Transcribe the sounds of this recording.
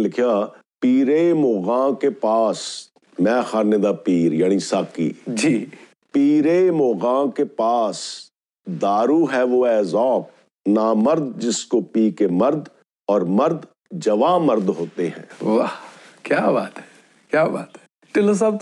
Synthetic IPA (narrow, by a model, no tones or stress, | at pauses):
lɪkʰijaːpiːɾemoːɣãːkepaːs | mɛ̃ːxaːned̪apiːɾjaːñisaːkḭːd͡ʒiː | piːɾemoːɣãːkepaːs | d̪aːɾuɦɛʋoɛːzɔːp̚ | naːməɾd̪̚d͡ʒɪskopiːkemɐɾd̪ | ɔːɾmɐɾd̪ | d͡ʒɐʋaːmɐɾd̪ɦoːt̪eɦɛ̰̃ːʋaːkjaːbaːt̪ɦɛ̥ | kjaːba̰ːt̪ɦɛ̥ | ʈɪlos̬aːb